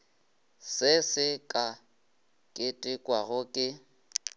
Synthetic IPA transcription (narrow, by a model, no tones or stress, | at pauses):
sɪsɪkʼa | kʼɪtʼɪkʼwaɣʊkʼɪ